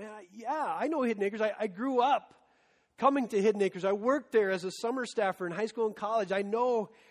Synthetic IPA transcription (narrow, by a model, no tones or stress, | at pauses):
æjæaɪnoʊhɪdⁿneɪkə˞zaɪʔaɪɡɹuʌp | kʰʌmɪ̃ŋtɨhɪdⁿneɪkə˞zaɪwɜ˞k̚t̪̚ðə˞ɨzɨsʌmə˞stæfə˞ɨ̃nɦaɪskulˠə̃nkʰɑlˠɨd͡ʒaɪnoʊ